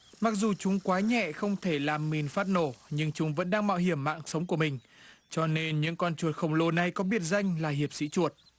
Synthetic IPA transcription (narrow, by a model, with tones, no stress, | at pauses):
ma˨˥k̚zu˨˩t͡ɕʊ˨˦ŋ͡mkwaː˨˦ɲɛ̰˧˨xə˧wŋ͡mt̪ʰe˧˩laː˨˩mːi˨˩nfaː˦˥t̚no˧˩ɲɨ˧ŋt͡ɕʊ˨˦ŋ͡mvə̰˧˥nɗaː˧ŋɓa̰ː˧˨wɦi˧˩əmːa̰ː˧˨ŋsə˨˦wŋ͡mku˧˩əmï˨˩ŋ̟ | t͡ɕɔ˧ne˧nɲɨ̰˧˥ŋkɔ˧nt͡ɕu˨˩ət̚xə˧˩wŋ͡mlo˧na˧˩jkɔ˨˦ɓi˦˥ət̚za˧jŋ̟laː˨˩ɦi˨˩əp̚sḭ˧˥t͡ɕu˨˩ət̚